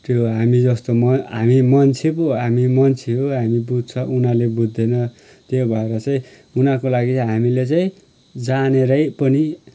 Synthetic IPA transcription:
t̪joɦamid͡zʌst̪omʌɦamimʌnt͡sʰepoɦamimʌnt͡sʰeɦoɦamibud̪̚ʱt͡sʰʌʔunalebud̪ʱːenʌ | t̪jebʱʌeɾʌt͡saĩ | unakolaɡiɦamilet͡saĩ | d͡zaneɾʌjpʌni

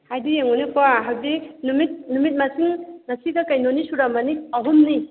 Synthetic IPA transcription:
hajdijeŋonipoaɦawdinumit̚numit̚masiŋnɐsiɡakajnonisuɾamaniaɦumni

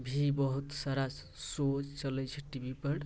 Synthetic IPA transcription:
bʱibəɦut̪saɾas | sot͡ʃt͡ʃələjt͡ʃʰəʈibʱipəɽ

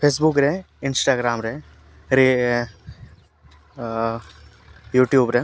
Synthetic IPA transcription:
pʰeːsbʊkɾe | ɪnsʈaːɡɾaːmɾɛː | ɾe | juːʈjuːbɾɛ

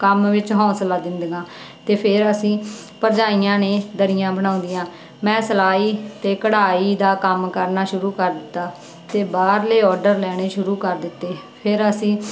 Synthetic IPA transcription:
kəmʋɪt͡ʃɦɔ̃ːslaːd̪ɪnd̪ɡãː | t̪eːpʰɪɾəsĩː | pəɾd͡ʒaːiːãːneːd̪əɾɪjãːbəɽ̃ãːʊ̃nd̪ijãː | mɛ̃ːsəlaːiːt̪eːkəɽaːiːd̪aːkəmkəɾnaːʃʊɾuːkəɾd̪ɪt̪ːaː | t̪eːbaːɾleːɔːɖəɾlɛːɽ̃eːʃʊɾuːkəɾd̪ɪt̪ːeːpʰɪɾəsĩː

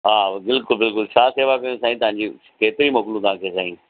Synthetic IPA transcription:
ɦaːbɪlkʊlbɪlkʊlʃʰaːseːʋakɐjõsaːĩt̪ɐʋ̤ãɲ̆d͡ʑi | keːt̪ɪɾimɐklũt̪ɐɦãːkʰeːsaːĩ

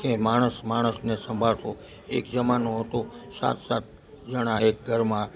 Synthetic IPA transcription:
kemaɽ̃əsmaɽ̃əsnesə̃mbʱalsõ | ḛkd͡ʒəmanoɦət̪osa̰t̪ʰsa̰t̪̚ | d͡ʒəɽ̃ãek̚ɡʱəɾmã

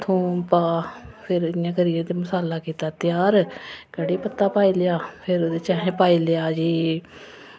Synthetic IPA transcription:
t̪ʰõːpaːpʰɪɾɪnjãːkəɾiːãːd̪eːmʊsaːlːaːkiːt̪aːt̪ɪjaːɾkəɽiːpət̪ːaːpaːiːlɪaːpʰɪɾoːd̪eːt͡ʃãːɦẽːpaːiːlɪaːd͡ʒiː

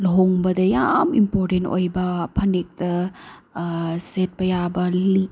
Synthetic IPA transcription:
lɦoŋbɐdɐjamimpoɾtento̰jbɐpʰɐnek̚tɐ | set̚pɐjabɐli

